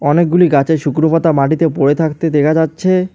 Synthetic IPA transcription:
ɔnek̚ɡuliɡat͡ɕeɾʃukɾopat̪amaʈit̪epoɾet̪ʰakt̪ed̪ekʰad͡ʑatːɕʰe

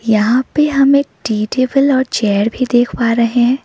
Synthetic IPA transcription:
jɐɦãpeɦɐmeːk̚ɖiːʈeːbəlɔːɾt͡ʃɛːəɾbʱid̪eːkʰpaːɾɐɦeeɦɛ̃

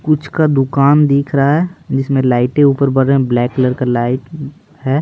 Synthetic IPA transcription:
kʊt͡ʃʰkad̪ʊkaːnd̪iːkʰɾɐɦaɦɛd͡ʒɪsmẽlaːɪʈẽuːpəɾbəɾeɦɛ̃blɛːkləɾkalaːɪʈ | ɦɛː

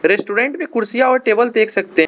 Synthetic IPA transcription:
ɾesʈuːɾẽːɳʈmẽkʊɾsijaɔːɾʈeːbəld̪eːkʰsɐk̚t̪eɦ

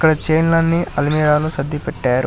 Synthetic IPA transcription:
kːɐɽɐt͡ʃejnlɐnːiʔɐlmiːɽaːlusɐd̪ʱːipɛʈːaːɾu

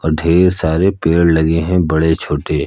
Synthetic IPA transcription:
ɔːɾɖʱeːɾsaːɾepeːɽlɐɡeɦɛ̃bɐɽet͡ʃʰoːʈe

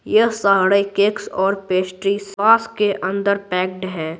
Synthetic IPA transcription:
jəsaɦɽəikeːksɔːɾpeːsʈɾisaːskeʔʔə̃nd̪əɾpɛːk̚ɖɦɛ̃ː

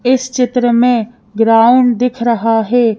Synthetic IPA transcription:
ɪst͡ʃɪt̪ɾəmẽ | ɡɾaːʊɳd̪ɪkʰɾəɦaɦɛː

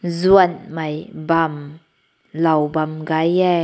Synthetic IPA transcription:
zuənmajbam | lɐwbamɡajɛ

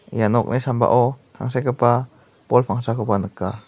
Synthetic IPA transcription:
janɔk̚nisamba̰ʔɔt̪ʰa̰ŋs̬akəpa | pɔlpʰaŋsakəpanəkːa

